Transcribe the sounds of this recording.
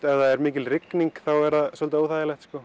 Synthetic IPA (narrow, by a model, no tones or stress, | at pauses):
ɛðaðɛɾmɪːcɪlrɪkniŋkθawɛɾðaðsɔlt̪aoːwθajɪlɛxt̪skɔ